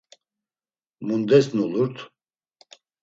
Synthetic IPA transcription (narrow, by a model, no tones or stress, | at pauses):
mund̪ɛsnuluɾt̪ʰ